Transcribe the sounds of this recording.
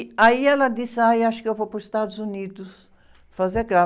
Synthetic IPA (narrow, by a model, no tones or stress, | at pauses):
aiɛlɐd̪isajaʃʊ̥kɪewvopʊzist̪ad̪ʊzunid̪ʊs | fazeɾɡɾa